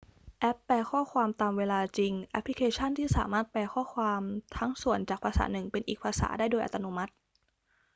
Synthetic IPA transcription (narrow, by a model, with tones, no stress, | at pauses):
ʔɛ˦˥pːɛː˧kʰɔː˥˩kʰwaː˧mt̪aː˧mweː˧laː˧t͡ɕi˧ŋʔɛ˦˥pʰli˦kʰeː˧t͡ɕʰa˥˩nt̪ʰiː˥˩saː˩˦maː˥˩t̪̚pɛː˧kʰɔː˥˩kʰwaː˧mt̪ʰa˦˥ŋsu˨˩ənt͡ɕaː˨˩k̚pʰaː˧sa̰ː˩˦nɯ˨˩ŋpe˧nʔiː˨˩k̚pʰaː˧sa̰ː˩˦daː˥˩jdoː˧jʔa̰˨˧˩t̪ːa˧nu˧˥ma˦˥t̪̚